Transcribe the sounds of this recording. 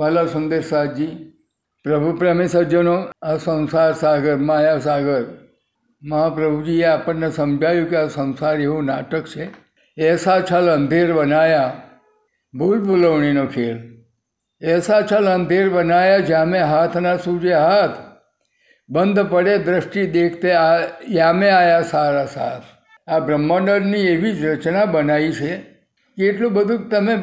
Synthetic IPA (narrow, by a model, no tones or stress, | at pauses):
malasund̪eɾsaːt̪̚d͡ʒiː | pɾəbʱupɾəmesəd͡ʒənoasə̃ñsaɾsaːɡəɾmaːjas̬aːɡəɾ | mɐɦapɾəbʱud͡ʒieaːpənːesəmd͡ʒʱaːjũkeasə̃w̃saɾeʋõnaːʈəkt͡ʃʰe | eːsat͡ʃʰalənd̪ʱeɾbənaːja | bʱulbʱuləʋɳinokʰeːɭ | ɛsat͡ʃʰələnd̪ʱeɾbənajad͡ʒameɦat̪ʰnasũd͡ʒeɦat̪ʰ | bənd̪ʱpəɽed̪ɾəʃʈid̪ekʰt̪eajameajasaɾasa̰t̪ʰ | abɾəmːəɳəɾnieʋid͡ʒɾət͡ʃnabənait͡ʃʰe | keːʈlũbəd̪ʱũkt̪əmẽ